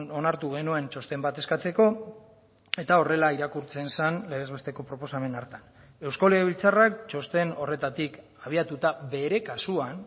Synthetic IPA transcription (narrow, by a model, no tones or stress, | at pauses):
no̞naɾt̪uɣ̞e̞nue̞nt͡ʃo̞st̪e̞mbat̪e̞skat͡se̞ko̞ | e̞t̪ao̞re̞laiɾakuɾt͡se̞nsanleezβe̞st̪e̞ko̞pɾo̞po̞same̞naɾt̪an | e̞wskoleβilt͡sarak̚t͡ʃo̞st̪e̞no̞re̞t̪at̪ik | aβ̞iat̪ut̪aβe̞ɾe̞kasuan